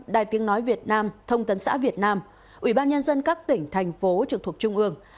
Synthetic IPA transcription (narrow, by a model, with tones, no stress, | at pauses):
ɗaː˨˩jt̪i˨˦əŋnɔ˨˦jvi˨˩ət̚naː˧mt̪ʰə˧wŋ͡mt̪ə˨˦nsa̰ː˧˥vi˨˩ət̚naː˧m | ʔwi˧˩ɓaː˧nɲə˧nzə˧nkaː˦˥k̚t̪ï˧˩ŋ̟t̪ʰɛ˨˩jŋ̟fo˨˦t͡ɕɨ˨˩k̚t̪ʰk̚t͡ɕʊ˧ŋ͡mʔɨ˧əŋ